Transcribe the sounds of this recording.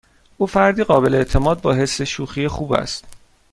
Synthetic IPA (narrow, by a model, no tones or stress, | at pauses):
ʔuːfæɾd̪iːɣɒːbe̞leeʔt̪ʰe̞mɒːd̪̚bɒːɦe̞sːe̞ʃuːxiːjexuːbæ̰st̪